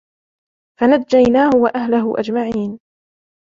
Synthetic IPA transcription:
fanad̪̚d͡ʒːajnaːhʊwaʔaɦlaɦʊʔa̰d͡ʒmaʕiːn

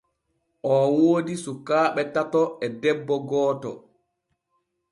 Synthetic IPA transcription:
ʔɔwoːdisukaːɓɛtatɔɛdɛbːɔɡɔːtɔ̰

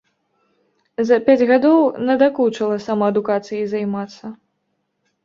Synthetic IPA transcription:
zɐpʲad͡zʲɣad̪ɔwnɐd̪aklut͡ʂɐlˠɐsamaɐd̪ukat̪sɨjizajmat̪sːɐ

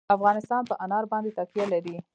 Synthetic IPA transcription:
afɣɑnɪst̪ɑnpəʔanɑɾbɑnd̪et̪akijalaɾi

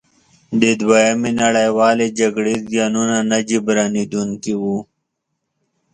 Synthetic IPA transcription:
d̪ed̪wajɐminɐɽajwaːled͡ʒɐɡɽeɡjaːnunanad͡ʒibɾaːnid̪uŋkiwu

